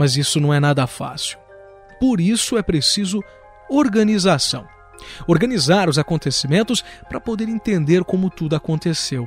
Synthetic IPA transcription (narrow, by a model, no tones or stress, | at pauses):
mɐzisʊnɐ̃w̃ɛnad̪ɐfa̰siw | poɾisʊɛpɾesizʊ | oɾɡɐnizasɐ̃w̃ | oɾɡɐnizaɾʊzakõnt̪esimẽnt̪ʊspɾɐpod̪eɾẽt̪ẽnd̪eɾkõmʊt̪ud̪ʊakõnt̪esew